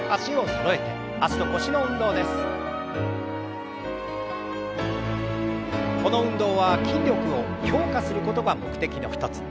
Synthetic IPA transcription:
aɕio̞t̪oɾo̞e̞t̪e̞ | aɕid̪o̞ko̞ɕino̞ɯ̟̃nd̪o̞ːd̪e̞sɨ̥ | ko̞no̞ɯ̟̃nd̪o̞ːβakʲĩɲʲɾʲo̞kɯ̟o̞çʲo̞ːkasɨɾɯ̟ko̞t̪o̞ɡamo̞kɯ̟t̪e̞kʲino̞ɸɯ̥t̪ot͡sɨ̥

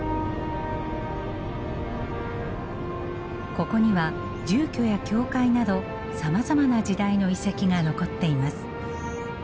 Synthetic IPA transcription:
ko̞ko̞ɲ̟iβa | d͡ʑɨːkʲo̞jakʲo̞ːkainad̪o̞ | samazamanad͡ʑid̪aino̞isekʲiɡano̞ko̞t̪ːe̞imasɨ̥

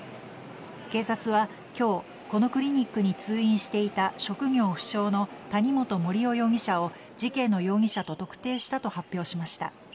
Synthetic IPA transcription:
ke̞ːsat͡sɨβa | kʲo̞ː | ko̞no̞kɯ̟ɾʲiɲ̟ikːɯ̟ɲ̟it͡sɨːĩɰ̃ɕi̥t̪e̞it̪aɕo̞kɯ̟ŋʲo̞ːɸɯ̟̥ɕo̞ːno̞t̪aɲ̟imo̞t̪o̞mo̞ɾʲio̞jo̞ːŋ̟ʲiɕao̞ | d͡ʑikẽ̞nːo̞jo̞ːŋ̟ʲiɕat̪o̞t̪o̞kɯ̟̥t̪e̞ːɕi̥t̪at̪o̞hapʲːjo̞ːɕimaɕi̥t̪a̰

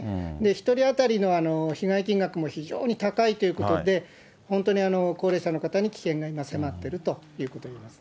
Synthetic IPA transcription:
d̪e̞çi̥t̪o̞ɾʲiat̪aɾʲino̞ano̞çiɡaikʲĩŋɡakɯ̟mo̞çiʑo̰ːɲ̟it̪akait̪o̞jɯ̟ko̞t̪o̞d̪e̞ | hõ̞nt̪o̞ɲ̟ianoko̞ːɾe̞ːɕano̞kat̪aɲ̟ikʲi̥kẽ̞ŋɡaimase̞mat̪ːe̞ɾɯ̟t̪o̞jɯ̟ːko̞t̪o̞iːmasɨ̥

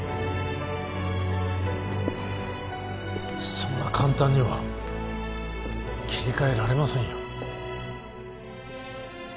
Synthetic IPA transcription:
sõnːakʰãnt̪ãɲ̟ːiβa̰ | kʲʰi̥ɾʲikae̞ɾaɾe̞masẽɰ̃jo

